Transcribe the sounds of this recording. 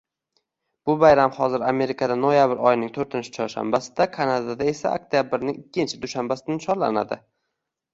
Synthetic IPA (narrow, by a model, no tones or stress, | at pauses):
b̥ʊbajɾamhɒzɪɾame̞ɾɪkʰad̪anojabɪɾɒjɪnɪŋt̪ʰoɾt̪ʰɪnt͡ʃʰɪ̥t͡ʃʰɒɾʃa̰mbasɪ̥d̪akʰanad̪ad̪ae̞sa̰o̰k̚t̪ʰijabɪɾnɪŋɪkʲːɪnt͡ʃʰɪd̪ʊʃambasɪnʃʰɒɾla̰na̰d̪ɪ